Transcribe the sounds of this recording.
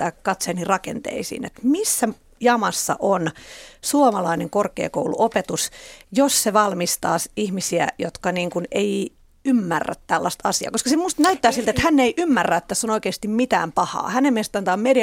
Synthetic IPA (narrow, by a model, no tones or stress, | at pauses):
æːkkɑt̪seɑnirɑkḛnt̪ḛisḭːnḛt̪misːæ | jɑmɑsːɑ̰ʔonsuomɑlɑineŋkorkḛːko̰ulṵʔopet̪usjosseʋɑlmist̪ɑ̰ːsihmisiæ̰jot̪kɑniːŋkunei | ymːærːæ̰t̪tælːɑst̪ɑ̰siɑ̰ːkoskɑsemust̪næyt̪ːæːsilt̪et̪hænːeiʔymːærːæet̪t̪ːæsːonoikeːst̪immit̪æ̰ːmpɑhɑ̰ːhænemmest̪ɑnt̪ɑːmmedi